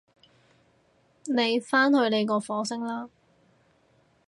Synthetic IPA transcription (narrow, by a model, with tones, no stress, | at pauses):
ne˨˧jfaː˥nhɵ˧ɥne˨˧jkɔː˧fɔː˨˥sɪ˥ŋlaː˥